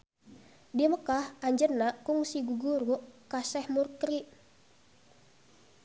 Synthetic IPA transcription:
diməkahʔaɲd͡ʒərnaʔkuŋsiɡuɡuɾuʔkasɛhmurkɾiʔ

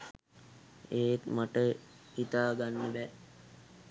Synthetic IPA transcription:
eːt̪maʈəhit̪aːɡanːəbæ

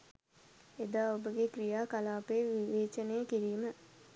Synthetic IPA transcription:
ed̪aːobəɡekrijaːkalaːpeʋiʋeːt͡ʃənejəkiɾiːmə

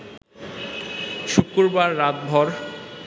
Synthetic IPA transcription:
ʃukːuɾbaɾːat̪̚bʱɔɾ

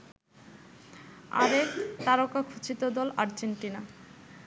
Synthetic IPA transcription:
a̰ɾekt̪aɾokakʰut͡ɕit̪od̪ɔlaɾd͡ʑeɳʈina

